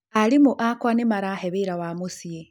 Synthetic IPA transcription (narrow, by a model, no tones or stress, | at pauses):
alimuʔakwanemaɾaheβiɾawamusie